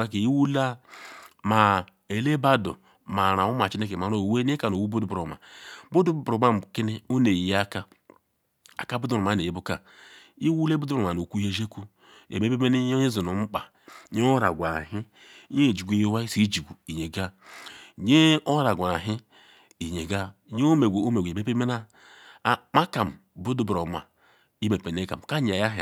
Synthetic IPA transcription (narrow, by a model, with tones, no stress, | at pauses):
a˦ke˨i˦wu˦la˦ | ma˨ | e˨le˦ba˦do̰˨ | ma˨ɾa˨o˦ma˨t͡ʃi˦ne˦ke˨a˨ɾo˦˨we˦e˦ka˨no˨wu˦bo˦du˦bo˨ma̰˨bo˦du˦bɾo˨ma˦m˨ki˦ni˦o˦ne˨jja˦ka˦ | a˨ka˦bu˦du˦ɾu˨ma˨˦ne˨je˦bu˦ka˨ | i˦wu˦le˦bu˦du˦ɾu˨a˨no˨kʷu˦je˦ʒe˦ku˦ | ḛ˨me˦pe˦e˦n˦i˦zi˨nu˨m̩˦k͡pa˨ | ɲe˦o˦ɾa˨ɡʷa˨ɦi˦ | ɲe˦˨d͡ʒi˨ɡʷe˨je˦wa˦i˦si˦d͡ʒi˨ɡu˨i˨ɲe˨ɡa˦˨ | ɲe˦o˦ɾa˨ɡʷa˨ɦi˦ | i˨ɲe˨ɡa˦˨ɲe˦o˦me˨ɡʷu˨o˦me˨ɡe˨me˦pe˦me˦na˦˨ | ma˦ka˨m˨ | bu˦du˦bɾo˨ma̰˨ | i˦me˨pe˨n˦e˦ka̰˨m˨ka˦ɲ˨a˨ja˦ɦ